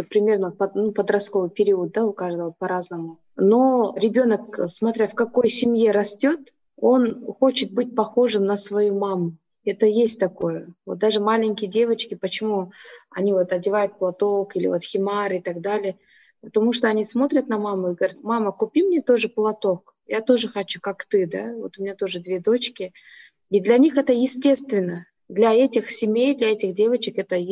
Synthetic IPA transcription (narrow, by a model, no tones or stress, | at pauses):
əpɾʲɪmʲe̞rnəpɐnupəd̪ɾɐsko̞vɨjpʲɪɾʲiʊət̪̚d̪aʊkaʐɨt̪vot̪̚pɐɾaznəmʊ | no̞ɾʲɪbʲo̞nəksmɐt̪ɾʲafkɐko̞jsʲɪmje̞ɾɐsʲtʲot̪ | o̞nxo̞t͡ɕɪt̪̚bɨt̚ʲpɐxo̞ʐɨmnəsvɐjumamʊ | ɛt̪əjesʲt̚ʲt̪ɐko̞jəvot̪̚d̪aʐɨmalʲɪŋʲkʲɪjədʲe̞vət͡ɕkʲɪpət͡ɕɪmuɐ̰nʲivo̞t̪ɐdʲɪvajʊt̪̚plˠɐt̪okilʲɪ̰vo̞t̪xʲɪmaɾɨɪt̪ɐɡ̚d̪alʲɪjə | pət̪ɐmuʂt̪oɐnʲismo̞t̪ɾʲət̪nɐmamʊɪɡəvɐɾʲat̪maməkʊpʲimnʲet̪o̞ʐɨplˠɐt̪o̞k | jat̪o̞ʐɨxɐt͡ɕu̥kakt̪ɨd̪avo̞̰t̪ʊmʲɪnʲat̪o̞ʐɨd̪vʲe̞d̪o̞t͡ɕkʲɪ | id̪lʲɐnʲixɛt̪əjɪsʲtʲe̞st̪vʲɪnːə | d̪lʲɐɛtʲɪxsʲɪmʲejd̪lʲɐɛtʲɪxdʲe̞vət͡ɕɪkɛt̪ə